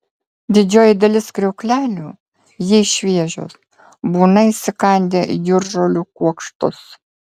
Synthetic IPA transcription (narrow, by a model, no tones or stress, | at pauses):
d̪ʲɪd͡ʒʲoːjɪd̪ɐlʲɪskɾʲɛʊkʲlʲæːlʲuː | jɪɛɪʃʲʋʲiɛʒʲo̰ːs | buːnɐisʲɪkɐˑnʲd̪ʲeːjʊɾʒoːlʲuːkuɔkʃt̪ʊs